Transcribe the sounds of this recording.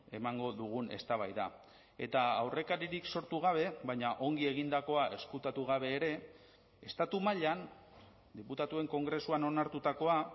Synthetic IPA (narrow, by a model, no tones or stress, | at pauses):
e̞maŋɡo̞ðuɣ̞une̞st̪aβ̞ajða | e̞t̪aawre̞kaɾiɾikso̞ɾt̪uɣ̞aβ̞e̞βajɲaʔo̞ŋɡie̞ɣ̞ind̪ako̞aʔe̞skut̪at̪uɣ̞aβe̞ːɾe̞ | est̪at̪umaʎan | d̪iput̪at̪ue̞ŋko̞ŋɡɾe̞suano̞naɾt̪ut̪ako̞a